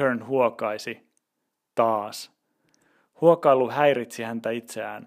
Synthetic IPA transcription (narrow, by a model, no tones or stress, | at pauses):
øɹnhuokɑjsi | t̪ɑːs | huokɑilːuɦæjɾit̪sihænt̪æit̪seæːn